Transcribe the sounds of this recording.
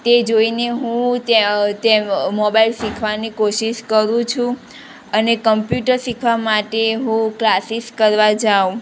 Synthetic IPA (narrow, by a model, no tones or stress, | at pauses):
t̪ed͡ʒoineɦũt̪et̪emobailʃikʰʋanikoʃiʃkəɾũt͡ʃʰũ | ənekəmpjuʈəɾsikʰʋamaʈeɦũklasiskəɾʋad͡ʒaũ